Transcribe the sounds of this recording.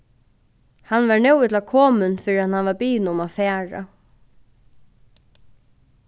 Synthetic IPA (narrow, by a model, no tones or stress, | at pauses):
hanːvaɹnɛwɪt̪lakʰɔːmɪnfɪːɾɪat̪hanʋaɾbiːnʊmafɛːɹa̰